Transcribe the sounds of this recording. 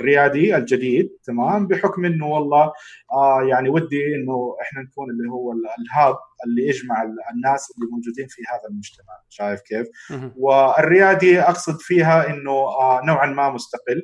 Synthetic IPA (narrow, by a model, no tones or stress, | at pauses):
ʔɪrːɪjaːd̪ˤiald͡ʒɪd̪iːd̪̚t̪amaːmbɪħʊkmʔɪnːʊwɑlˤːɑːajaʕniwad̪ːiʔɪnːʊʔɪħnanakuːnɪlːiɦʊwːalɦaːb̚ʔɪlːiʔad͡ʒmaʕanːaːsʔɪlːimowd͡ʒuːd̪iːnfihaːðalmʊd͡ʒt̪amaʕʃaːjɪfkeːfwɪɪrːɪjaːd̪ˤiʔɑqsˤɨd̪fiːɦaʔɪnːʊnaːʕanmaːmʊst̪aqɪlː